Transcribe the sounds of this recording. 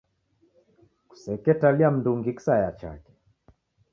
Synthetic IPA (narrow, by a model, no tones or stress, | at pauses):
ku̥sɛkɛtaliam̩nduŋɡiksajat͡ʃa̰kɛ̥